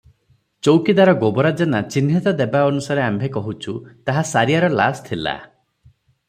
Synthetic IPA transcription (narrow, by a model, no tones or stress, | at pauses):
t͡ʃowkid̪aɾɔɡobɔɾad͡ʒanat͡ʃinɦit̪ɔd̪ebaɔnusaɾeambʱekɔɦut͡ʃʰut̪aɦasaɾijaɾɔla̰st̪ʰila̰